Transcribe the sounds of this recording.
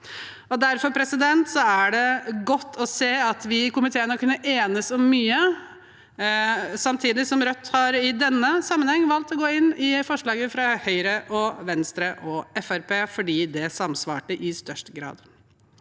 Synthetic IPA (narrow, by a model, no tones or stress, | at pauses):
ɔd̪æɾfɔɾpʰɾɛsɪd̪ɛnt̪sɔæɖɛɡɔt̪ːɔseːɑt̪ʋɪkʊmɪt̪ʰeːənəɔkːʉnːəʔeːnəsɔmːyːə | sɑmt̪ʰiːd̪ɪsɔmɾœt̪ːhɑɾɪd̪ɛnːəsɑmːənhɛŋːʋɑlt̪ɔɡoːɪnːɪfɔʂɭɑːɡəfɾɑhœʏɾəʔɔʋɛnst̪ɾəʔɔɛfæɾpʰeːfɔɖiːd̪ɛsɑmsʋɑ̰ːʈəʔɪst̪œʂʈəɡɾɑ̰ːd̪